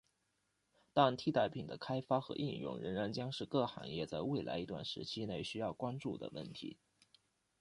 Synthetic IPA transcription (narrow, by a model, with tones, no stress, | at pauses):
t̪a˥˩nt̪ʰi˥t̪a˥˩ɪpʰi˨˩ŋd̪ə˦kʰa˥ɪfa˥xɤ̰˧˥ʔi˥˧njʊ̰˥˩ŋɻə˧˥ŋɻa˧˥nt͡ɕjɑ˥ŋʂɻ̩˥˧kɤ˥˩xa̰˧˥ŋjɛ˥˧t͡sa˥˧ɪwe˥˩ɪla̰˧˥ɪi˧˥t̪wa̰˥˩nʂɻ̩˧˥t͡ɕʰi˥ne˥˩ɪɕy˥jɑ˥˩ʊkwa˥nʈ͡ʂu˥˩d̪ə̰˩wə̰˥˩nt̪ʰḭ˧˥